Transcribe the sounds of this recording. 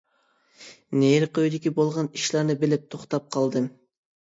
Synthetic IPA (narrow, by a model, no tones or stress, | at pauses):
neɾqøjd̪ikʲibolˠʁɑniʃleɾnɪbɪlɪp̚t̪ʰoqt̪ɑp̚qʰɑlˠd̪ɨ